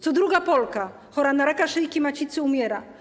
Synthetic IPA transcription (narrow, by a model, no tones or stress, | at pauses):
t̪sɔd̪ɾuɡapɔlka | xɔɾanaɾakaʂɘjkʲimat͡ɕit̪sɘumʲjɛɾa